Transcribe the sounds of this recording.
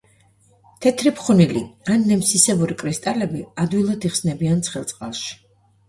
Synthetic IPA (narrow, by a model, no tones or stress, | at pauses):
t̪ʰɛt̪ʰɾipχunilianːɛmsisɛbuɾikʼɾist̪ʼalɛbiad̪wilˠad̪iχsnɛbiant̪sʰχɛlˠt̪sʼqʼalˠʃi̥